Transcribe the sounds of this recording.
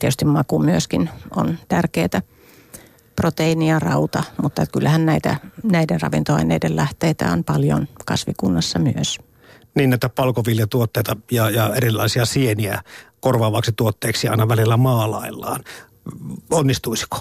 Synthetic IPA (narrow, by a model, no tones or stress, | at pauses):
t̪iet̪yst̪immɑkumyøskino̰nt̪ærkeːt̪æ | prot̪einiɑrɑut̪ɑmut̪ːɑt̪kylːæhænnæit̪æ̰næidenrɑ̰ʋḭnt̪oɑ̰inḛidellæht̪eːt̪æ̰onpɑljo̰nkɑ̰sʋikunːɑsːɑmyøs | niːnːet̪ːæpɑlkoʋiljɑt̪uot̪ːeːt̪ɑjɑjɑerilːɑ̰ˑisiɑsieniækorʋɑːʋɑksit̪uot̪ːeːksiɑ̰ˑinɑʋælilːæmɑːlɑilːɑ̰ːn | onːist̪uisi̥ko̥